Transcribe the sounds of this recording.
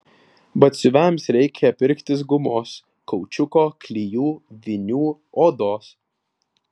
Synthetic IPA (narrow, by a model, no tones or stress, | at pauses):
bɐt̪ʲsʲʊʋʲæmˑsɾʲɛɪkʲɛɛpʲɪɾʲkt̪ʲɪs̬ɡʊmoːs | kɔʊt͡ʃʲʊkoːklʲijuːʋʲɪnʲuː | oːd̪oːs